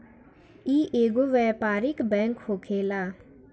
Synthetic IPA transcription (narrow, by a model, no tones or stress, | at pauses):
iːʔeːɡoʋɛːpaːɾɪkbɛ̃ːŋkhoːkʰeːlaː